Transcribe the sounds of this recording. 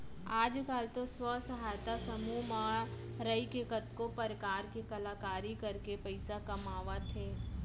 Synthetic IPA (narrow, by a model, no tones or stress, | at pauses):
aːd͡ʒkaːlt̪oswəsɐɦaːjt̪asɐmumã | ɾəikekət̪kopɐɾkaːɾkekɐlaːkaːɾikɐɾkepəɪsakɐmaːʋat̪ʰeː